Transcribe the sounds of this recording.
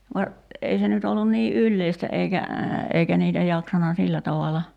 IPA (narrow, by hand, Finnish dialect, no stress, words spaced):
ʋɑ ei se nyt olːun niː ʔylːeistæ eikæ eikæ niːtæ jɑksɑnɑ silːæ tɑʋɑlɑ